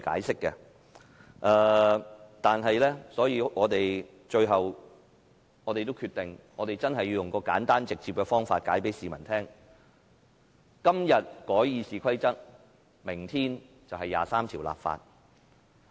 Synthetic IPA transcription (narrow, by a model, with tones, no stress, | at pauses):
ka̰ː˨˥jsɪ˥kːɛ̰˧ | ʔɛː˧ | t̪aː˨nɦɐ˨jlɛː˥sɔː˨˥jiː˨˧ŋɔː˨˧t̪e˨j | t͡ʃɵ˧ɥɦɐ˨w | ŋɔː˨˧t̪e˨jt̪o˥wkʰy˧t̪ɪ˨ŋŋɔː˨˧t̪e˨jt͡sɐ˥nɦɐ˨jːi˧wjʊ˨ŋkɔː˧kaː˨˥nt̪aː˥nt͡sɪ˨k̚t͡siː˧p̚kɛ˧fɔː˥ŋfa̰ː˧t̚kaː˨˥jpe˨˥jsiː˨˩mɐ˨˩nt̪ʰɛː˥ŋ | kɐ˥mjɐ˨t̚kɔː˨˥jjiː˨˧siː˨˩kʰɐ˥jt͡sɐ˥t̚ | mɪ˨˩ŋt̪ʰiː˥n | t͡sɐ˨wɦɐ˨jːa̰ː˨˩saː˥mt̪ʰiː˨˩wla̰ː˨pfa̰ː˧t̚